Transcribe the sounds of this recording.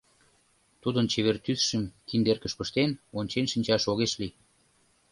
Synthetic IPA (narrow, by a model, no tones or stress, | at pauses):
t̪ud̪ənt͡ɕeβert̪yθʃə̆mkind̪erkəʃpəʃt̪enonʲt͡ɕenʃinʲt͡ɕɑʃoɣeʃli